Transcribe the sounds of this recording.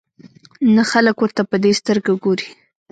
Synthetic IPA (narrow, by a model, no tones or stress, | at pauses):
naxaləkwəɾt̪apəd̪est̪əɾɡawəɡoɾi